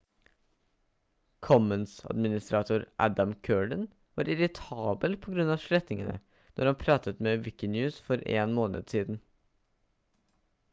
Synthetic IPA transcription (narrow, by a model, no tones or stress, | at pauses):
kʰɔmənsɑ̰d̪mɪnɪst̪ɾɑːt̪ʰuːɾʔæd̪ɑmkʰøːɖən | ʋɑ̰ːɾɪɾɪt̪ʰɑːbəlpʰɔɡɾʉnːɑːʂɭɛt̪nɪŋənə̰ | nʔɔɾhɑnpʰɾɑːt̪ət̪meːʋɪkɪnjʉːsfɔɾḛːnmoːnə̰d̪siːd̪n̩